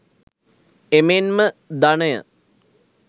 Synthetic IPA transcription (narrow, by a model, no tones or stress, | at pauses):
emenməd̪aɳəjə̰